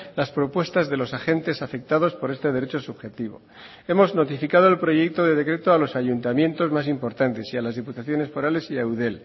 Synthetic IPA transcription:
laspɾo̞pwe̞st̪azðe̞lo̞saxe̞nt̪e̞safe̞k̚t̪aðo̞spo̞ɾe̞st̪e̞ðe̞ɾe̞t͡ʃo̞suβxe̞t̪iβ̞o̞̰ | e̞mo̞zno̞t̪ifikað̞o̞elpɾo̞ʝe̞k̚t̪o̞ðe̞ð̞e̞kɾe̞t̪oalo̞saʝunt̪amje̞nt̪o̞zmas̬impo̞ɾt̪ant̪e̞sialazðiput̪aθjone̞sfo̞ɾale̞siawðe̞l

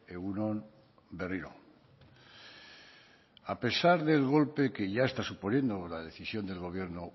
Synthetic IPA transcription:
eɣunõn | be̞riɾo̰ | ape̞saɾðe̞lɣ̞o̞lpe̞ke̞ʝae̞st̪asupo̞nje̞nd̪o̞laðe̞θisjo̞nd̪e̞lɣo̞β̞je̞ɾno

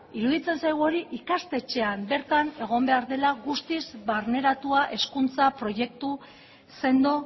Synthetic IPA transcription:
iɾuðit͡se̞nsajɣuo̞ɾiʔikast̪e̞t͡ʃe̞ambe̞ɾt̪ane̞ɣ̞o̞mbe̞aɾðe̞laɣust̪izβaɾne̞ɾat̪uaʔe̞skunt͡sapɾo̞je̞k̚t̪u | se̞nd̪o

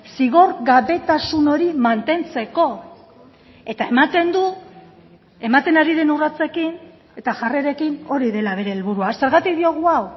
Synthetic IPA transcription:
siɣ̞o̞rɣaβe̞t̪asuno̞ɾimant̪e̞nt͡se̞ko̞ | e̞t̪ae̞mat̪e̞nd̪u | e̞mat̪e̞naɾiðe̞nurat͡se̞kin | e̞t̪aʝare̞ɾe̞kino̞ɾiðe̞laβ̞e̞ɾe̞ːlβuɾuase̞ɾɣat̪ikðio̞ɣ̞uaw

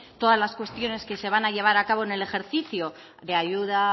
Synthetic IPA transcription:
t̪o̞ðazlaskwe̞st̪jo̞ne̞ske̞se̞β̞anaʎe̞β̞aɾakaβ̞o̞ene̞le̞xe̞ɾθiθjo | ðe̞aʝuða

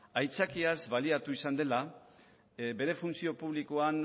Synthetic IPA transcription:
ajt͡sakiazβaliat̪uisand̪e̞la | be̞ɾe̞funsio̞puβ̞likoan

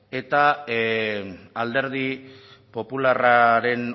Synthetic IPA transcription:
e̞t̪a | ald̪e̞ɾð̞ipo̞pularaɾe̞n

